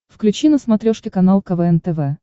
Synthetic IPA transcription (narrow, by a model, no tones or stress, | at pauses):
fklʲʉt͡ɕinəsmɐt̪ɾʲoʂkʲɪkɐnalˠkɐvɛɛnt̪ɛvɛ